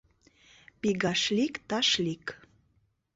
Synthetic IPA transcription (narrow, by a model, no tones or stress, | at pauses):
piɡɑʃlikt̪ɑʃlik